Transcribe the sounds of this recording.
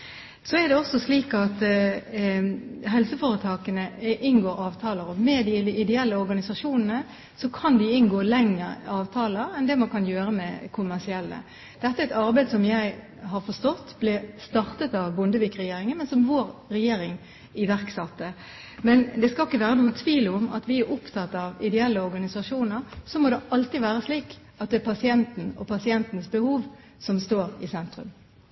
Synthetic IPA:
sɔɛɾd̪ɛɔsːɔsliːkɑt̪ | ɦɛlsəfoːɾət̪ʰɑːkənəʔɪnɡoːɾɑːʋt̪ʰɑːləɾɔmɛd̪ɪɪd̪ɛɛlːəɔɾɡɑnɪsɑʂuːnənə | sɔkʰɑnd̪ɪɪnɡoːlɛŋːəɾɑːʋt̪ʰɑːləɾɛnd̪ɛmɑnkʰɑnjøːɾəmɛkʰʊmæʁsɪɛlːə̰ | d̪̥ɛt̪ːəæɪt̪ɑɾbæɪd̪əsɔmjæɪ | ɦɑɾfɔʂt̪ɔt̪ːblɛst̪ɑʁt̪ət̪ɑʋbʊnd̪əʋiːkɾɛjeːɾɪŋənmɛnsɔmʋoːɾɾɛjeːɾɪŋ | ɪʋæɾksɑt̪ːə | mɛnd̪ɛskɑlɪkːəʋæːɾənuːət̪ʰʋiːlʊmɑ̰t̪ʋɪæɾʔʊpt̪ʰɑt̪ːɑʋɪd̪ɛɛlːəɔɾɡɑnɪsɑʂuːnəɾsɔmod̪ɛʔɑlt̪ɪʋæːɾəsliːk | ɑt̪̚d̪ɛɛpʰɑsɪɛnt̪n̩ɔ̰pʰɑsɪɛnt̪nsbəhuːʋ | sɔmst̪oːɾɪsɛnt̪ɾʉ̰m

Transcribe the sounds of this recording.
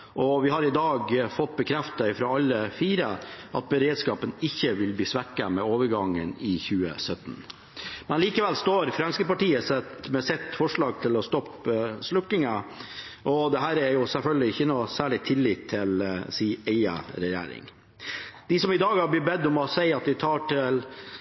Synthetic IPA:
ʔɔʋɪhɑɾɪd̪ɑːɡfɔt̪ːbəkʰɾɛft̪əɪfɾoːɑlːəfiːɾəʔɑt̪̚bəɾeːd̪skɑːpənɪçːəʋɪlbliːsʋækːəmɛoːʋəɾɡɑŋːə̰nɪçʉːə̰sœt̪ːn | mɛnliːkəʋɛlst̪oːɾfɾɑnskəpɑʈiːəsɛt̪mɛsɛt̪ːfɔʂɭɑːɡ̚t̪ʰɪlɔst̪ɔpslʊkːɪŋə | ʔɔd̪ɛɦæːɾæɾjʊsɛlfœlɡəlɪɪçːənuːsæːɭɪt̪ʰɪlːɪt̪ʰːɪlsiːɛɪɑ̰ɾɛjḛːɾɪ̰ŋ | d̪̥ɪsɔmɪd̪ɑːɡhɑb̪ɪbɛd̪ːɔmɔsɛɪɑt̪̚d̪ɪt̪ʰɑːʈɪl

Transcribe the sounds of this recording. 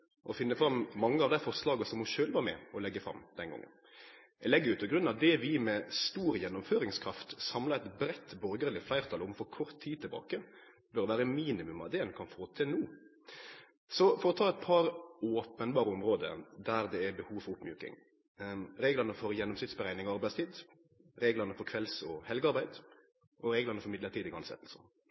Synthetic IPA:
ʔɔfɪnːəfɾɑmːɑŋːəɑʋd̪æɪfɔʁslɑːɡəsɔmɔʃøːlʋɑmɛ̰ɔlɛɡːəfɾɑ̰mːd̪̥ɛnɡɔ̰ŋːə̰n | ɛlɛɡːəjʉːt̪ɔɡɾʉnːɑd̪ɛʋɪmɛst̪uːɾjɛnːʊmføːɾɪŋskʰɾɑft̪sɑmlɑɛt̪bɾɛt̪ːbɔɾɡəɾlɪflæɪɾt̪ʰɑlʊmfɔɾkʰɔɾt̪ʰːiːd̪̚t̪ʰɪlbɑ̰ːkə | bœɾd̪ɛʋæːɾəmiːnɪmʉmɑ̰d̪ɛnkʰɑnfoːt̪ʰɛnuː | sɔfɔɾɔt̪ʰɑːɛt̪̚pʰɑɾoːpənbɑːɾəɔmʁoːd̪ə̰d̪æɾd̪ɛæbəhuːʋfɔɾʊpmjʉːkɪ̰ŋ | ɾeːɡlənəfɔɾjɛnːɔʊmsɪft̪sbəɾæɪnɪŋɔɑɾbæɪst̪ʰiːd̪ | ɾeːɡlənəfɔɾkʰʋɛlsɔhɛlɡəɑɾbæɪd̪ | ʔɔɾeːɡlənəfɔɾmɪd̪əɾt̪ʰiːd̪ɪɡɑnsɛ̰t̪l̩sə

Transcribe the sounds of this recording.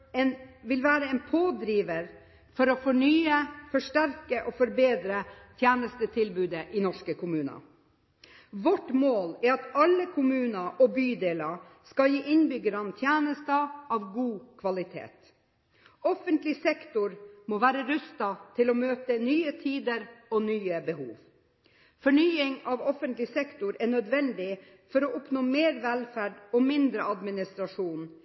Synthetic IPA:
ɛnʋɪlʋæːɾəɛnpʰoːd̪ɾiːʋəɾ | fɔɾɔfɔɳyːəfɔʂʈæɾkəʔɔfɔɾbeːd̪ɾət̪ʰjæːnəst̪ət̪ʰɪlbʉːd̪əʔɪnɔʂkəkʊmʉːnɑ̰ | ʋɔʈmoːlæɑt̪ɑlːəkʰʊmʉːnəʔɔbyːd̪eːlɑskɑjiːʔɪnbʏɡəɾɑnt̪ʰjæːnəst̪əɑːʋɡuːkʰʋɑlɪt̪ʰḛːt̪ | ɔfənt̪lɪsɛkt̪ʊɾmoːʋæːɾəɾʉst̪ɑt̪ʰɪlɔːmøːt̪ənyːət̪ʰiːd̪əɾɔnyːəbəhṵːʋ | fɔɳyːɪŋɑʋɔfənt̪lɪsɛkt̪ʊɾæɳœd̪ʋɛnd̪ɪ | fɔɾɔʔʊpnoːmeːɾʋɛlfæɖɔmɪnd̪ɾəɑd̪mɪnɪst̪ɾɑʂuːn

